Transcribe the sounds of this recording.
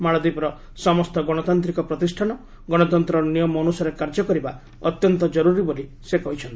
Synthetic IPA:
maɭɔd̪ipɾɔ | sɔmɔst̪ɔɡɔɽ̃ɔt̪ant̪ɾikɔpɾɔt̪isʈʰanɔ | ɡɔɽ̃ɔt̪ɔnt̪ɾɔɾnijɔmɔːnusaɾekaɾd͡ʒɔkɔɾiba | ɔt̪jɔnt̪ɔd͡ʒɔɾuɾiboli | sekɔɦit͡ʃʰɔnt̪i̥

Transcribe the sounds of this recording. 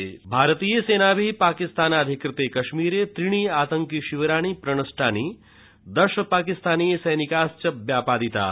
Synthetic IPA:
bʱaːɾət̪ijəseːnabʱipaːkist̪aːnaːd̪ʱikɾɪt̪eːkɐʃmiːɾet̪ɾiɽ̃iːaːt̪əŋkiʃiʋɾaːɽ̃ipɾɐɳ̃ɐsʈʰaːniː | d̪ɐʃəpaːkist̪aːnijesɐjnikaːst͡ʃɐbjaːpaːd̪it̪a̰ː

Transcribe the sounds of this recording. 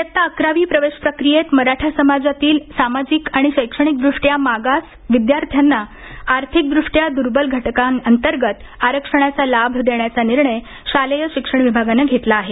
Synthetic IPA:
jət̪ːaəkɾaʋiːpɾəʋeɕpɾəkɾijet̪məɾaʈʰasəmad͡zat̪iːlsamad͡zikaɽ̃iɕəjkʂəɽ̃ik̚d̪ɾuʂʈjamaɡas | ʋid̪jaɾt̪ʰjanːa | aɾt̪ʰik̚d̪ɾuʂʈjad̪uɾbəlɡʱəʈkanənt̪əɾɡət̪ | aɾəkʂəɽ̃at͡salabʱd̪eɳjat͡saniɾɳəj | ɕaləjəɕikʂəɳ̃ʋibʱaɡanaɡʱet̪laːɦe

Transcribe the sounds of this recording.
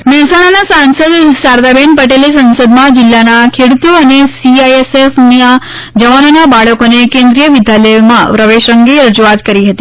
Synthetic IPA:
mɛɦɛsaɽ̃anasãnsəd̪saɾd̪abenpəʈelesə̃nsəd̪mãd͡ʒɪlːanakʰeɽut̪uənesiajesefnia | d͡ʒəʋanonabaɭəkonekẽnd̪ɾijəʋid̪ʱjaləjmã̰pɾəʋeʃəŋɡeɾəd͡ʒuʋat̪kəɾiɦət̪i

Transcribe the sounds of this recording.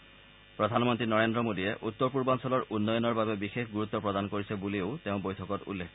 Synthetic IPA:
pɹɔdʱanmɔntɹinɔɹendɹɔmodijɛʔut̪ːɔɹpuɹbansɔlɔɹʔunːɔjɔnɔɹbabɛbixexɡuɹut̪ːɔpɹɔdankoɹisɛbuliʊteʊ̃bojtʰɔkɔtṵlːek

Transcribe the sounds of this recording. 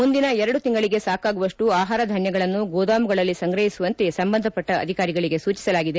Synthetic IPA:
mund̪inɐɛɾɐɽut̪iŋɡɐɭiɡe̞saːkaːɡuʋɐʂʈuaːɦaːɾɐd̪ʱɐɳjɐɡɐɭɐnːuɡɔːd̪aːmuɡɐɭɐlːisɐŋɡɾɐɦisuʋɐnt̪e̞sɐmbɐnd̪ʱɐpɐʈːɐ̰ːd̪ʱikaːɾiɡɐɭiɡe̞suːt͡ʃi̥sɐlaːɡid̪e

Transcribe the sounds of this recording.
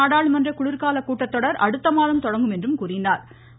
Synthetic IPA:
aːɽaːɭɯmɐndrɐkʊɽɪɾkaːlɐkːuːʈːɐt̪ːɔɽɐɾɐɽɯt̪ːɐmaːðɐmt̪ɔɽɐŋɡɯmɛndrɯmkuːrɪnaːɾ

